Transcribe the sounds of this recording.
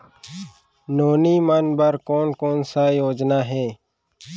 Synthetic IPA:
noːniːmanbəɾkoːnkoːnsajoːd͡ʒnaːɦɛː

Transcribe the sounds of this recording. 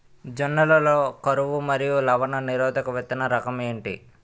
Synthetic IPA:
d͡ʒɐnːɐlɐloːkɐɾuʋumɐɾijulɐʋɐnɐniɾɔːd̪ʱɐkɐʋet̪ːɐnɐɾɐkɐme̞ːɳʈḭ

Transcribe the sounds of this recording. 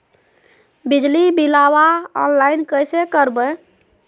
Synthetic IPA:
bid͡ʒlibilawaɔ̰nlainkəjsekəɾbə

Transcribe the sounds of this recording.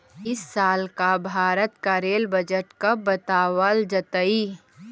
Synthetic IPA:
ɪsːaːlkabʱaːɾət̪kaɾeːlbəd͡ʒəʈkabət̪aːwəld͡ʒət̪əi

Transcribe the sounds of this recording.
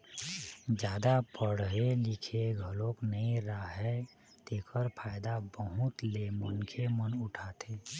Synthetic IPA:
d͡ʒjaːd̪apəɽɦelɪkʰeɡʱəloknəĩɾaɦɛ | t̪ekʰəɾpʰaːɪd̪abəɦʊt̪lemənkʰemənʊʈʰat̪ʰe

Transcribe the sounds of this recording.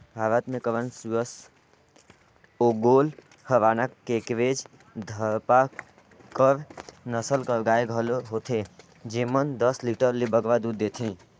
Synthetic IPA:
bʱaɾət̪mekəʋənsujəs | oɡol | həʋanakkːekʋed͡ʒ | d̪ʱəɾpa | kəɾnəsəlkəɾɡaeɡʱəloɦot̪ʰe | d͡ʒemənd̪əsliʈəɾlebəɡʋad̪ud̪ːet̪ʰĩ

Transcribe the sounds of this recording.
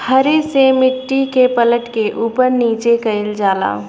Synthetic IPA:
hɐɾesemɪʈːikepələʈkeʔuːpəɾniːt͡ʃekɐɪld͡ʒaːla̰ː

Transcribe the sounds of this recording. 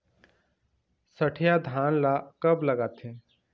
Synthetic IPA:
sɐʈʰjad̪ʱaːnlakɐblɐɡaːt̪ʰeː

